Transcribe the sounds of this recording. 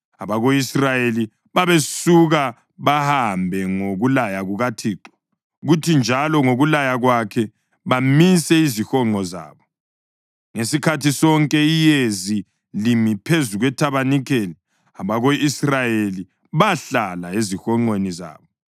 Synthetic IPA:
aβaɣoisrajeli | βaβesuɣa | βahambʱɛŋoɣulajaɣuɣatʰiːǃɔ̥ | ɣutʰind͡ʒʱalɔŋoɣulajaɣwakʰɛ | βamisɛizixɔŋ͡ǃʱɔza̰ːβɔ | ŋesikʰatʰisɔŋkʼɛijezi | limipʰezuɣwɛtʰaβanikʰeli | aβaɣoʔisrajeli | βaɬalaezixɔŋ͡ǃweniza̰ːβɔ

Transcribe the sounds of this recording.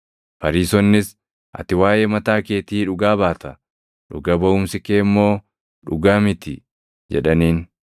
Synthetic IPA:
fɐɾiːsɔnːɪs | ʔɐ̰t̪ɪwaːjeːmɐt̪aːke̞ːt̪iːᶑʊɡaːbaːt̪ɐ | ᶑʊ̰ɡɐbɐʔʊːmsɪkeːmːo̞ː | ᶑʊɡaːmɪt̪ɪ | d͡ʒɛᶑɐniːn

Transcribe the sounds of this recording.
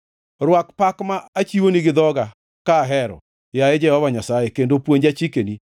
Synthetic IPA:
ɾwakpakmaat͡ʃiwoniɡɪðɔɡa | kaɦɛɾɔ̰ | jaed͡ʒɛhɔvaɲasajekendopwoɲd͡ʒat͡ʃikeni

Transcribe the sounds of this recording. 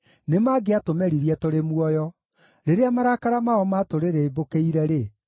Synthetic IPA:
nemaɡeatomɛɾiɾiɛtoɾemwɔjɔ | ɾeɾeamaɾakaɾamaɔmatoɾeɾeibokeiɾɛɾe

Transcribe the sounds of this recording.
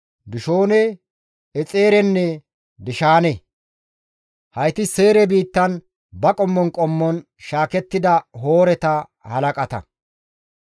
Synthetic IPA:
d̪ʊʃoːnɛ | ɛt͡sʼe̞ːɾɛnːɛ | d̪ɪʃaːnɛ | hɐjt̪ɪseːɾɛbiːt̪ːɐn | bɐkʼɔmːɔnkʼɔmːɔn | ʃaːkɛt̪ːɪd̪ɐɦoːɾɛt̪ɐ | hɐlɐkʼɐt̪ɐ̰

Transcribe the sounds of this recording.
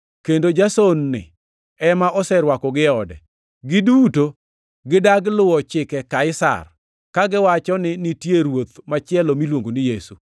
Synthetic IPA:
kendod͡ʒasonːɪ̰ | ɛmaʔɔsɛɾwakɔɡɪɔdɛ̰ | ɡɪduto | ɡɪdaɡlʊwɔt͡ʃɪkɛkaɪsa̰r | kaɡɪwat͡ʃɔnɪnitjeɾwot̪mat͡ʃɪɛlɔmilwoŋɡonɪjesu

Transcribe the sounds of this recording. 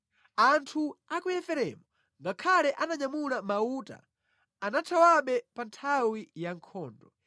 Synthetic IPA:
antʰuakujɛfɛɾɛ̰mu | ŋɡakʰalɛʔanaɲamulamauːta̰ː | natʰawaɓɛpantʰawijaŋkʰɔːndɔ

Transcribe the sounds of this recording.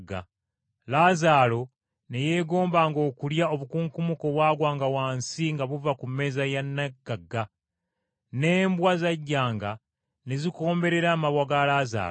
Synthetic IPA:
ɡːa̰ | laːzaːlo̞ | ne̞je̞ːɡo̞ːmbaŋɡo̞ːkuljao̞βukuŋkumuko̞βwaːɡwaːŋɡawaːnsiŋɡaβuvakumːe̞zajanːaɡaɡːa | ne̞ːmbwazaɟːaːŋɡa | ne̞ziko̞ːmbe̞ɾe̞ɾaːmaβwaɡalaːza̰ː

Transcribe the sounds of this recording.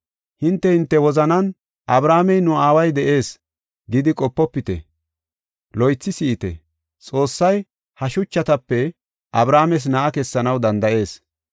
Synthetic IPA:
hɪnt̪ːɛhɪnt̪ːɛwɔzɐnɐn | ʔɐbɾaːmɛjnʊaːwɐjd̪ɛʔe̞ːs | ɡɪd̪ɪkʼɔpːɔpːɪt̪ɛ̰ | lɔjt͡sːɪsiʔɪt̪ɛ̰ | t͡sʼo̞ːsːɐj | hɐʃʊt͡ʃːɐt̪ɐpːɛ | ʔɐbɾaːmɛs̬nɐʔɐkɛsːɐnɐwd̪ɐnd̪ɐʔe̞ːs

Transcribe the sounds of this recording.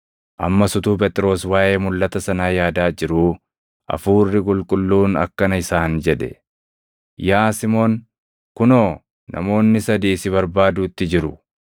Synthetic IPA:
ʔɐ̰mːɐsʊt̪uːp̬ɛt̪ʼɪɾo̞ːswaːʔeːmʊlːɐt̪ɐsɐnaːjaːd̪aːd͡ʒɪɾuː | ʔɐ̰fuːrːɪkʼʊlkʼʊlːuːnɐ̰kːɐnɐɪsaːnd͡ʒɛᶑ̪ɛ̰ | jaːsɪmoːn | kʊnoː | nɐ̰mo̞ːnːɪsɐd̪iːsɪβɐɾbaːd̪uːt̪ːɪd͡ʒɪɾʊ

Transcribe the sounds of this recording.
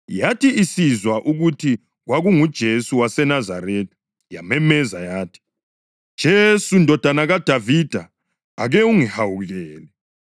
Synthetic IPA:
jatiisizwaʔuɣutʰi | ɣwaɣuŋud̥ʒ̥ʱesuwasɛnazaɾetʰʼi̥ | jamɛmɛzajaːtʰi̥ | d̥ʒ̥ʱesundʱɔd̥ʱanaɣad̥ʱavid̥ʱa̰ː | ɣɛuŋihawuɣɛːlɛ

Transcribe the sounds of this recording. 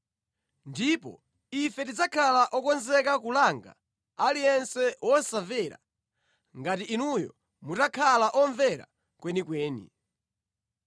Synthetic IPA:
ndipɔ̰ | ifɛtid͡zakʰalaʔɔkɔnzɛkakulaŋɡa̰ | alijɛnsɛwɔsavɛɾa̰ | ŋɡatiːnujɔ̰ | mutakʰalaʔɔɱvɛɾa̰ | kwɛnikwɛːnḭ

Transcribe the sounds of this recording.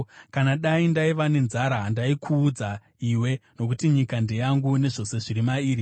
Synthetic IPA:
kanaɗaindaiʋane̞nzaɾaɦːndaikʰuːd͡za | iwe̞no̞k̬utiɲikandijaŋɡune̞ʐo̞se̞ʐiɾimaiːɾi

